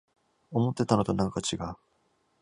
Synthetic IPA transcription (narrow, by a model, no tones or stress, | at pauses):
omot̪͈ːe̞t̪ːanod̪onaŋkat͡ɕʰiɡa